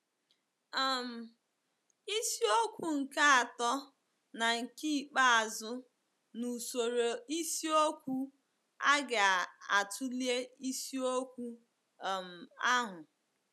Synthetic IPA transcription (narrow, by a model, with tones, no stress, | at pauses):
a˨m̩˨ | i˦si˦o˦kʷu˨ŋ̩˨ka˦a˨tɔ˦ | na˨ŋ̩˨ki˦˨k͡pa˦a˨zʊ˦ | nu˨so˨ɾo˨i˦si˦o˦kʷu˦ | a˦ɡa˨a˨a˨tʰu˦li˦e˦i˦si˦o˦kʷu˦˨ | m̩˨a˦ɦʊ˨